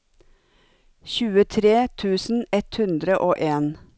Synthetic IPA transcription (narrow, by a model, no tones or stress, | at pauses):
çʉːət̪ʰɾeːt̪ʰʉːsn̩ɛt̪hʉnd̪ɾəʔoːʔeːn